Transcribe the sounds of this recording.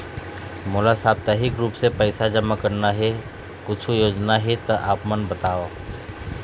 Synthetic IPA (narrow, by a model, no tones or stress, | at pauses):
moːlasaːb̚t̪ɛːɦɪkɾuːpsepɛɪsad͡ʒɐmːakɐɾnaɦɛ | kʊt͡ʃʰujoːd͡ʒnaɦɛt̪ɐʔaːpmɐnbɐt̪aːʋo